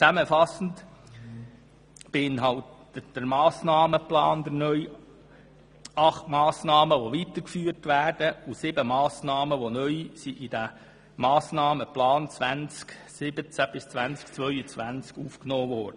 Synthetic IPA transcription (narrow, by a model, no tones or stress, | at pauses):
t͡sæməfɑsn̩t | b̥ɪɪnɦɑlttəd̥əɾmɑːsnɑːməplɑ̰ːnd̪əɾnœʏj | ɑχtmɑːsnɑːməʋoʋit̪əɾkfyːəɾtʋæːrd̥əusɪbəmɑːsnɑːməʋonœʏsiʔid̥æ | mɑːsnɑːməplɑːnt͡sʋænt͡sksɪbət͡sæb̥ɪst͡sʋænt͡skt͡sʋœʏət͡sʋænt͡skuːfknoːvɔːɾd̥ə